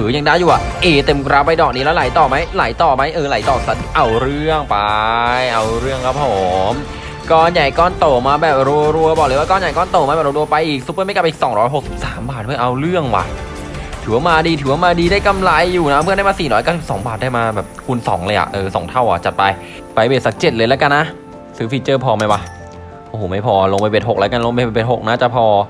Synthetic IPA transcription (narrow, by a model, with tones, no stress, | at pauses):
ʔɯː˩˦ja˧˩ŋdaː˦˥˩juː˨˩ʔa˨˩ʔʔeː˧˩t̪e˧mkɾa˦˥p̚ːa˧jdɔː˨˩k̚niː˦lɛː˦˥wla˨˩˦jt̪ɔː˨˩ma˦˥jla˨˩˦jt̪ɔː˨˩ma˦˥jʔɤː˧la˨˩˦jt̪ɔː˨˩sa˨˦˥nʔa˧wɾɯ˥˩əŋpajʔa˧wɾɯ˥˩əŋkʰa˦˥p̚hoː˨˦m | kɔː˧˩nja˨˩jkɔː˧˥˩nt̪oː˨˩maː˧bɛː˨˩p̚ɾu˧əɾu˧ɐbɔː˨˩klɤː˧˦wa˥˧kɔː˧˩˨nja˨˩jkɔː˧˩˨nt̪oː˨˩maː˧˦˩ɛː˨˩ɾo˧ɾu˧pa˧jʔiː˨˩k̚su˦˥pːɤː˥˩ma˥˩jka˨˩pʔiː˨˩ksɔː˩˦ŋɾɔː˦˥jɦo˨˩k̚si˨˩p̚saː˩˦mbaː˨˩t̪̚mʰɯ˥˩ɐʔa˧wɾɯ˥˩əŋwa̰˨˩ | t̪ʰɯː˩˦waː˥˩maː˧diː˧t̪ʰɯː˨˩˦waː˥˩maː˧diː˧daː˥˩jka˧mla˧jːuː˨˩na˦˥mʰɯ˥˩˨da˥˩mː˧siː˨˩ɾɔː˦˥jka˥˩si˨˩psɔː˩˦ŋbaː˨˩daː˥˩jmaː˧bɛː˨˩p̚kʰu˧nsɔ̰ː˩˦ŋlɤː˧ʔa̰˨˩ʔʔɤː˨˩sɔ̰˩˦ŋt̪ʰa˥˩wʔa˨˩t͡ɕa˨˩t̪̚pa˧j | pa˧jbeː˨˩t̪sa˨˩k̚t͡ɕe˨˩t̪̚lɤː˧lɛː˦˥ka˧nːa˦˥ʔ | sɯː˦fʰi˨˧˩t͡ɕɤː˥˩pʰɔː˧ma˥˩jwa˦˧˥ | ʔoː˧˩hoː˨˩ma˥˩jpʰɔː˧lo˧ŋpa˧jbeː˨˩t̪ho˨˩k̚lɛː˦˥ka˧nlo˧ŋpa˧a˧be˨˩t̪̚ho˨˩k̚naː˦˥˩t͡ɕa˨˩pʰɔː˧